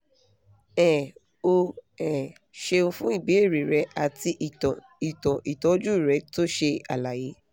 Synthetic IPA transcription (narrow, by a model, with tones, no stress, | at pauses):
ɛ˨ | o˧ɛ˨ | ʃe˧ũ˧fũ˦i˦˨bi˨˦e˦˨ɾi˨ɾɛ˧˦a˨ti˧˨ | i˨tɔ̃˨ʔi˨tɔ˨˦d͡ʒu˦i˦˨ɾɛ˨˦to˦ʃe˧a̰˨la˨je˨˦